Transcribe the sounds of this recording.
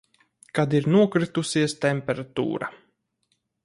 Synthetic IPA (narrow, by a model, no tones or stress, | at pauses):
kad̪iɾnuɔkɾit̪usiɛst̪ɛmpɛɾat̪ṵːɾa̰